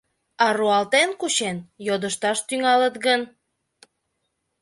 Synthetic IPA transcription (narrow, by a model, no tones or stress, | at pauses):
ɑruɑlt̪enkuɕenjod̪əʃt̪ɑʃt̪yŋɑlət̪ɡən